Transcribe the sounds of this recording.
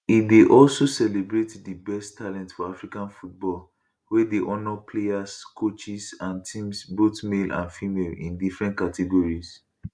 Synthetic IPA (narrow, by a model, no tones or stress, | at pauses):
it̚deʔɔlsosɛlebɹetdibɛstʰːalɛ̃ntfɔafɹikãnfut̚bɔl | wɛdeʔɔnɔpʰleaskʰot͡ʃisãntʰĩmsbotmelʔã̰nfimelḭ̃ndifɹɛ̃nt̚katʰɛɡɔɹis